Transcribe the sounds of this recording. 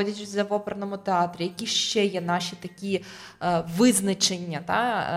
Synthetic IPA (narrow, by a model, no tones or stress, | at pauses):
ɔdʲɐt͡ʃʲʊzɐʋɔpeɾɐnɔmʊt̪eɑt̪ɾʲijɐkʲiʃt͡ʃɛjɛnɑʃʲit̪ɐkʲi | ʋɪznɐt͡ʃenʲːɐt̪ɑ̰